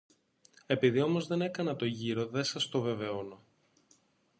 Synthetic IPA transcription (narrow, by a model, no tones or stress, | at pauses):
e̞piðio̞mo̞zðe̞ne̞kɐnɐt̪o̞ʝiɾo̞ðe̞sɐst̪o̞ve̞ve̞ono̞